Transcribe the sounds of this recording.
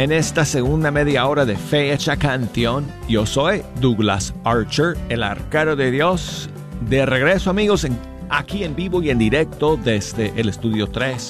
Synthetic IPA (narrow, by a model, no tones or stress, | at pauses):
ene̞st̪aseɣund̪ame̞ðjao̞ɾaðe̞fet͡ʃakanθjo̞njo̞so̞jd̪uɣla̰saɾt͡ʃeɾela̰ɾkeɾoðeðjo̞s | d̪e̞re̞ɣɾe̞soamiɣo̞seŋ | akie̞mbiβo̞ie̞nd̪iɾe̞k̚t̪oðezd̪eʔːlest̪uðjo̞t̪ɾes